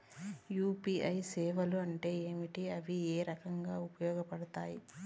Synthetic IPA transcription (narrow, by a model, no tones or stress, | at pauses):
juːpiːʔɐjsɛːʋɐluɐɳʈe̞ːeːmiʈiɐʋieːɾɐkɐŋɡaːupɐjɔːɡɐpɐɽɐt̪aːji